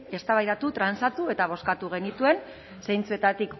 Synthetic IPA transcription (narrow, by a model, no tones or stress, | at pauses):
e̞st̪aβajðat̪ut̪ɾansat̪ue̞t̪aβ̞o̞skat̪uɣ̞e̞nit̪ue̞n | sejnt͡sue̞t̪at̪ik